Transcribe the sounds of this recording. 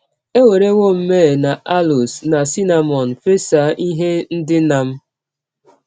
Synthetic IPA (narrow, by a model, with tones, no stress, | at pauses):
e˦we˨ɾe˦ŋʷo˦m̩˦meː˦˨na˨ʔa˦lu˨sna˨si˦na˨mɔ˨n̩˨fe˦sa˨˦ʔi˦ɦe˦n̩˦dɪ˦na˨m̩˦